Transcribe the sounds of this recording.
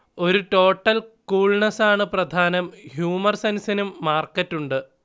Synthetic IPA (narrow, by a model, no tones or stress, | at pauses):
o̞ɾuʈo̞ːʈːɐlkuːɭɳɐsaːɳɨprɐd̪ʱaːnɐmhjuːmɐrsɐnsɐnumːaːrkːɐtːuɳɖɨ